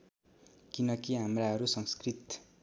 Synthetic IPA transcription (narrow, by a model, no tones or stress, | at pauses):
kinʌkiɦamraɦʌɾusʌŋskrit̪